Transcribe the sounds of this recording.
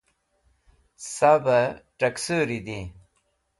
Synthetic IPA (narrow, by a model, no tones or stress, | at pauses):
sabəʈɐksuɾid̪i